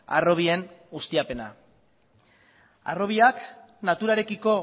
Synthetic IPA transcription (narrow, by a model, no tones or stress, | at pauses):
a̰ro̞β̞ie̞nɡust̪iape̞na̰ | a̰ro̞β̞iak | nat̪uɾaɾe̞kiko̞